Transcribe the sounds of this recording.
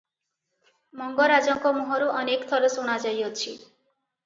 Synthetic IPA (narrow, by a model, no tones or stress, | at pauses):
mɔŋɡɔɾad͡ʒɔŋkɔmuɦɔɾuʔɔnekt̪ʰɔɾɔsuɽ̃ad͡ʒajɔt͡ʃʰi